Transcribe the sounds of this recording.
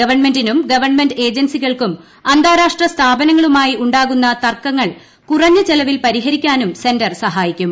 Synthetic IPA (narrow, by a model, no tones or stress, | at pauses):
ɐʋɐrɳme̞ndinumɡɐʋɐrɳmenɖe̞ːd͡ʑɐnsiɣɐɭkum | ɐnd̪ʱaːɾaːʂʈrɐst̪ʰaːbɐnɐŋːɐɭumaːjiuɳɖaːɣunːɐt̪ɐrkːɐŋːɐɭ | kurɐɲːɐt͡ɕelɐʋilpɐɾiɦɐɾikʲːaːnumse̞ndɐrsɐɦaːjikʲːum